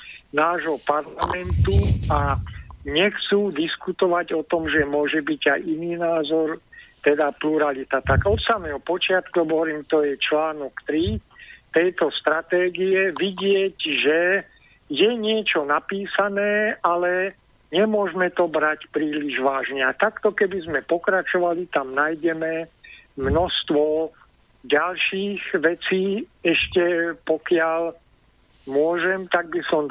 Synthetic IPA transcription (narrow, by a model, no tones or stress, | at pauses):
naːʒɦɔpaɾlamɛnt̪uaɲɛxt͡suːd̪iskut̪ɔʋaɟɔt̪ɔmʒɛmʊɔʒɛbiɟajiniːnaːzɔɾt̪ɛd̪apluɾalit̪at̪aɡɔt̪samɛːɦɔpɔt͡ʃɪat̪kubɔɦɔɾiːmt̪ɔjɛt͡ʃlaːnɔkt̪ɾi | t̪ɛjt̪ɔst̪ɾat̪ɛːɡiɛʋiɟɪɛɟʒɛ | jɛɲɪɛt͡ʃɔnapiːsanɛːʔalɛ | ɲɛmʊɔʒmɛt̪ɔbɾacpɾiːliʒʋaːʒɲɛat̪akt̪ɔkɛbizmɛpɔkɾat͡ʃɔʋalit̪amnajɟɛmɛmnɔst̪ʋɔ | ɟalʃiːɣʋɛt͡siːɛʃcɛpɔkɪal | mʊɔʒɛmt̪aɡ̚bisɔm